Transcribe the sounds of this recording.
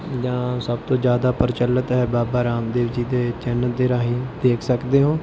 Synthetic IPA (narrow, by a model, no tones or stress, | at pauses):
d͡ʒãːsəb̚t̪õːd͡ʒjaːd̪aːpəɾɪt͡ʃələt̪ɦɛːbaːbaːɾaːmd̪eːʋd͡ʒiːd̪eːt͡ʃɛːnəd̪eːɾaːɦĩːd̪eːkʰsəkd̪eːɦõː